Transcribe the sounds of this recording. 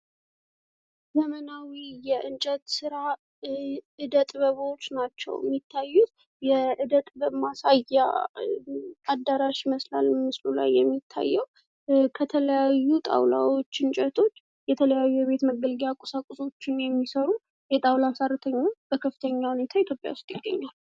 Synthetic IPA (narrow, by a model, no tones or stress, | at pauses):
zəmənawijɛʔɨnt͡ʃʼət̪sɨɾa | ʔɨd̪ət̪ʼbəβo̞t͡ʃːnat͡ʃːɛ̰wmːit̪ʰːajːut | jɛʔɨd̪ət̪ʼbəmasaja̰ | ad̪ːaɾaʃməslalmɨslula̰jːɛmːit̪ʰːa̰jːɛw | kʰət̪ʰələjajːut̪ʼa̰wla̰wo̞t͡ʃːɨnt͡ʃʼət̪ʰo̞t͡ʃː | jɛt̪ʰələjajːujɛβe̞t̪məɡəlɡjakʼosakʼʊso̞t͡ʃːɪnjɛmːisəɾu | jɛt̪ʼawlasarɨt̪ʰəɲːat͡ʃb̥əkʰəfːɨt̪ʰəɲːahune̞t̪ʰait̪ʰjopʼja̰wʊst̪ʼjɪɡːə̰ɲːal